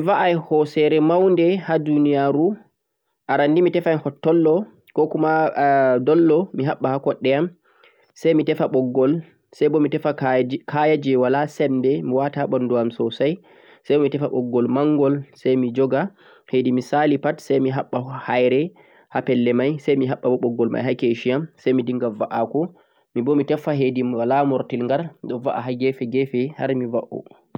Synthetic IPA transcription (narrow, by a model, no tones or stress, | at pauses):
vaʔajhɔsɛɾɛmawndɛhadunijaɾu | ʔaɾandimitɛfahɔtːɔlːɔ | kɔkumadɔlːɔmiɦaɓːahakɔɗːɛam | sajmitɛfaɓɔɡːɔl | sajbɔmitɛfakʰajad͡ʒɛwalasɛndɛmiwataɓɔndɔamsɔsaj | sajbɔmitɛfaɓɔɡːɔlmaŋɡɔlsajmid͡ʒɔɡa | hedimisalipatsɛjmiɦaɓːahajɾɛ | hapɛlːɛmajsajmiɦaɓːabɔɓɔɡːɔlma̰jɦakeʃijamsajmidiŋɡavaʔakɔ | mibɔmitɛfaɦediwalamɔɾtilŋɡaɾɗɔvaʔa̰ɦaɡɛfɛɡɛfɛha̰ɾmivaʔɔ̰